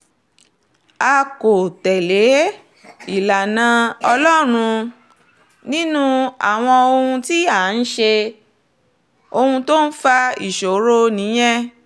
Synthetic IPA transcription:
a˧ko˨tɛ˨le˨˦ | i˨la˨nã˧ɔ˧lɔ˦ɾ̃ũ˧ | nĩ˦nũ˦a̰˨w̃ɔ̃˧o˧hũ˧ti˦a˦˨˦n̩˦ʃe˧ | o˧hũ˧to˦n̩˦fa˧i˨ʃo˨˦ɾo˦nĩ˨˦j̃ɛ̃˦

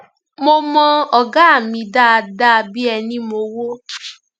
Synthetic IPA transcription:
mo˧mɔ̃˧ɔ˨ɡa˦a˦˨mĩ˧da˦a˧da˦˧bi˦ɛ˧nĩ˦mo˧wo˦

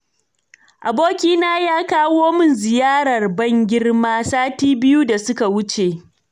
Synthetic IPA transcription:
ʔa˨boː˦kʲiː˦naː˦jaː˦kaː˦woː˦mɪ˦nzɪ˨jaː˦ɾɐ˨rbɐ˦˨ŋɡʲɪ˦rmaː˦saː˦tiː˦bɪ˦ju˦da˨sʊ˦ka˨wʊ˦t͡ʃe˨

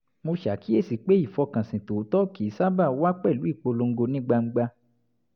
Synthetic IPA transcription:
mo˧ʃa˨˦ki˨˦e˦˨si˨k͡pe˦i˦˨fɔ˧kã˨sĩ˨to˨˦tɔ˦ki˨˦sa˦ba˦˨˦wa˦k͡pɛ˦˨lu˨˦i˦˨k͡po˧lo˧ŋ̩˦ɡo˧nĩ˦ɡ͡ba˧ŋ͡m̩˧ɡ͡ba˧

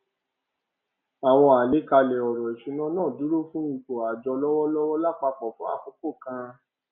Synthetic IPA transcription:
a˨w̃ɔ̃˧a˨le˨˦ka˧lɛ˨ɔ˨ɾɔ˨i˨ʃi˨˧˦nã˦nãː˦˨du˨˦ɾo˦fũ˦ĩ˨k͡po˨a˨d͡ʒɔ˧lɔ˦wɔ˦lɔ˦wɔ˦la˦˨k͡pa˧k͡pɔ˨fũ˦a̰˦˨ko˨˦ko˦˨kã˧

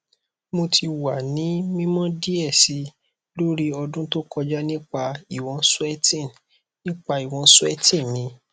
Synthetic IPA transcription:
mo˧tʰi˧wa˨nĩ˨˦mĩ˦mɔ̃˦di˦ɛ˦˨si˨˧ | lo˦ɾi˦ɔ˧dũ˦to˦kɔ˧d͡ʒa˦nĩ˦k͡pa˧i˨w̃ɔ̃˧su˦ɛ˦tĩ˦˨n | nĩ˦k͡pa˧i˨w̃ɔ̃˧˦su˦ɛ˦tĩ˦˨mĩ˧˦

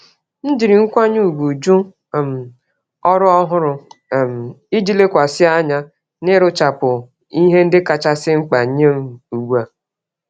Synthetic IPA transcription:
n̩˦d͡ʒi˨ɾi˨ŋ̩˦kʷa˦ɲ˦u˦˨ɡu˨d͡ʒu˦˨ | m̩˨ | ɔ˦ɾʊ˦ɔ˦ɦʊ˦ɾʊ˨m̩˨i˦d͡ʒi˦le˦kʷa˨sɪ˦a˦ɲa˦ | nɪ˦ɾʊ˦t͡ʃa˨pʊ˨ | i˦ɦe˦n̩˦dɪ˦ka˦t͡ʃa˦sɪ˦ŋ͡m̩˦k͡pa˨ɲe˦m˨u˨ɡa˨

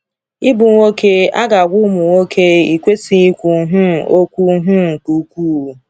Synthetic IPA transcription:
i˦bu˨ŋʷo˦ke˦a˦ɡa˨ɡʷʊ˦mʊ˨ŋʷo˦kʰe˦i˨kʷe˦si˨i˦kʷu˨˦ɦʊ˦˨o˦kʷu˦ɦʊ˦˨tu˨˦kʷuː˦˨

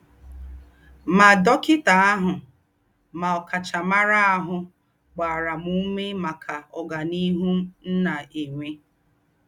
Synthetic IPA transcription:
ma˨dɔ˦kɪ˦ta˨a˦ɦʊ˨ | ma˨ɔ˨ka˨t͡ʃa˨ma˦ɾa˦a˦ɦʊ˨ | ɡ͡ba˨ɾa˨mu˦me˦ma˨kʰa˨ɔ˨ɡa˨ni˦ɦu˦n̩˦na˨ʔe˨ŋʷe˦

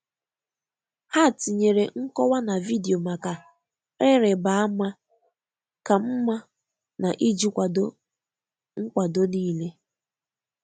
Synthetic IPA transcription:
ha˦˨ti˨ɲe˨ɾe˨ŋ̩˦kɔ˦wa˦na˨vi˦di˨o˨ma˨ka˨ | e˦ɾe˨ba˨a˦ma˦ | ka˨m̩˦ma˦ | na˨ʔi˦d͡ʒi˦kʷa˨do˦ | ŋ̩˦kʷa˨do˦niː˦le˦

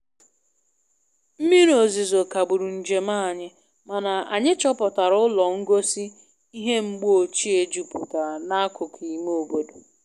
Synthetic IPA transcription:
m̩˦mi˦ɾo˨zi˨zo˨ka˨bu˨ɾu˨n̩˨d͡ʒe˨ma˦˨ɲɪ˦ | ma˨na˨a̰˨ɲɪ˦t͡ʃɔ˦pɔ˨ta˨ɾʊ˦lɔ˨ŋ̩˦ɡo˦si˦ | i˦ɦe˦m̩˦ɡ͡bo˨t͡ʃi˦e˦d͡ʒu˨pu˨ta˨na˦kʊ˨kʰi˨˦m˦o˨bo˦do˨

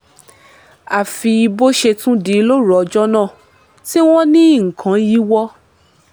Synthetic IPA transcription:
a˨fi˧i˧bo˦ʃe˧tũ˦di˨˦lo˦ɾɔ˨ɔ˧d͡ʒɔ˦nã˦˨ | ti˦w̃ɔ̃˦nĩ˦i˦˨ŋ̩˨kʰã˨˦ji˦wɔ˦

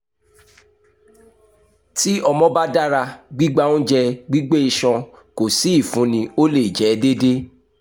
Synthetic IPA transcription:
ti˦ɔ˧mɔ̃˦ba˦da˦ɾa˧ɡ͡bi˦ɡ͡ba˦ũ˦d͡ʒɛ˧ɡ͡bi˦ɡ͡be˦i˧ʃɔ̃˧ | ko˨si˨˦i˦˨fũ˨˦nĩ˧o˦le˦˨d͡ʒɛ˨˦de˦de˦

